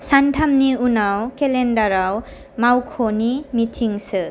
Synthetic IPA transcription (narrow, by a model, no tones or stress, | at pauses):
santʰamniunawkelendaɾaw | mawkʰonimitʰiŋsɯ